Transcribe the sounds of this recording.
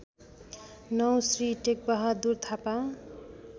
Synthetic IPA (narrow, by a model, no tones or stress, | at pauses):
nʌwsriʈek̚bʌɦʌd̪urt̪ʰapa